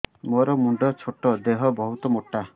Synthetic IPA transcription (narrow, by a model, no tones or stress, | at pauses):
mɔɾɔmuɳɖɔt͡ʃʰoʈɔd̪eɦɔbɔɦut̪ɔmoʈːa